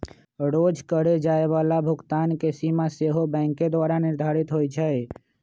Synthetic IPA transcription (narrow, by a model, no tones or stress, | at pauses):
ɾod͡ʒkəɽed͡ʒaːeʋalabʱʊɡt̪aːnkesimaseɦobɛ̃ːŋked̪ʋaːɾanɪɾd̪ʱaɾit̪ɦojt͡ʃʰɛ